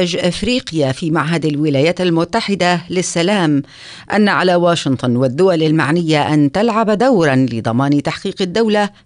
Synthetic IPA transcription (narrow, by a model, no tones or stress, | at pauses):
ɪd͡ʒʔɪfɾiːqɪjafiːmaʕɦad̪alwɪlaːjaːt̪almʊt̪ːaħɪd̪alɪsːalaːm | ʔanːaʕalaːwaːʃɪnt̪ˤʊnwad̪ːʊwalalmaʕnɪjːaʔant̪alʕabd̪awɾˤɑnlɪd̪ˤɑmɑːnt̪aħqiːqad̪ːawla